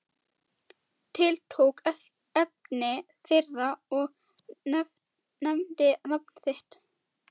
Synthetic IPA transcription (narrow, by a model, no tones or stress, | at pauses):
t̪ʰɪlt̪ʰoːwk | ɛp̚nɪ | θɪrːaɔɣ | nɛmt̪ɪnapnθɪht̪